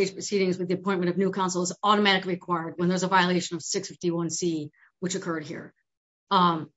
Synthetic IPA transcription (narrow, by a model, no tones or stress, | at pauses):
ɪʒ̥pʰɹ̥ɨsiɾɪ̃ŋzwɨðiɨpʰɔ̃ɪ̃nmɨ̃ɾ̃ʌvnʉkʰãʊ̃nsl̩ˠəzɔɾəmæɾɨkliɨkʰw̥aɪə˞d̚wə̃nðə˞zəvaɪəleɪʃɨ̃nʌv̥sɪksfɪftiwʌ̃nsi | wɨt͡ʃɨkʰɜ˞d̚hḭɹ